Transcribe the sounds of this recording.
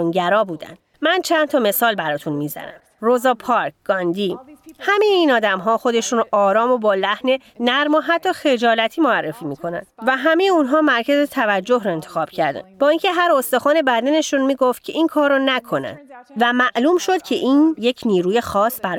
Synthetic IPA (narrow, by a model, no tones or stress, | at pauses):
unɟæɾɒːbuːd̪æ̰nd̪ | mænt͡ʃʰænt̪ʰɒːme̞sɒːlbæɾɒːt̪ʰunmiːzæ̰næ̰m | rozɒːpʰɒɾkɡ̥ɒːnd̪iːhæme̞jeiːnɒːd̪æmɦɒːxo̞d̪e̞ʃuːnʔɒːɾɒːmobɒːlæhne̞ | næɾmoɦæt̪ʰːɒxe̞d͡ʒɒːlæt̪ʰiːmoærːe̞fiːmikʰo̞næ̰nvæɦæmejeunɦɒːmæɾcʰæzet̪ʰævæd͡ʒːo̞ɦɾɔe̞nt̪ʰexɒːb̥cʰæɾd̪æ̰nb̥ɒːiŋcʰe̞ɦæɾost̪oxɒːne̞bæd̪æne̞ʃunmiːɡo̞ft̪̚cʰe̞ʔiːnkʰɒːrːɔnækʰo̞næ̰nd̪væmæʔluːmʃo̞d̪̥̚cʰe̞ʔiːnjecʰniːɾuːje̞xɒːsbæɾ